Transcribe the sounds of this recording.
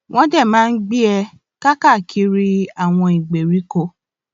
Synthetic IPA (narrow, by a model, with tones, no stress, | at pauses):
w̃ʔɔ̃˦dɛ˦˨mãː˦n̩˦ɡ͡bi˦ɛ˧ | ka˦ka˦˨kʰi˧˦ɾi˦a˨w̃ɔ̃˧i˨ɡ͡be˨ɾi˨˦ko˧